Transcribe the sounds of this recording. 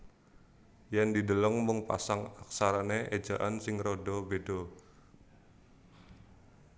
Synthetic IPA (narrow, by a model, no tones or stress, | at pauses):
jandidələŋmʊŋpa̰saŋak̚saɾaneʔed͡ʒaʔansɪŋrodɔbedo